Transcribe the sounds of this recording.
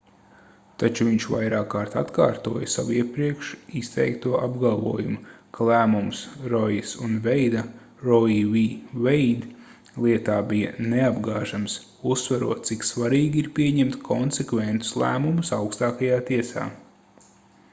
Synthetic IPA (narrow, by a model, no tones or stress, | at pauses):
t̪at͡ʃuviɲʃva̰jɾaːkːaːɾt̪at̪ka̰ːɾt̪uɔjɐsaʋuiɛpɾiɛkʃist̪ɛ̰jkt̪uɔʔabɡalˠvuɔjṵmukʰalˠæːmumsɾɔjisunvɛjd̪ɐ | ɾɔivivɛjd̪ | lˠiɛt̪aːbijɐneabɡaːʒams | usːʋaɾuɔt̪̚siksʋaɾiːɡʲiɾpiɛɲɛmt̪kʰɔnsɛkvɛnt̪u̥slˠæ̰ːmumusawkst̪aːkajaːt̪iɛsa̰ː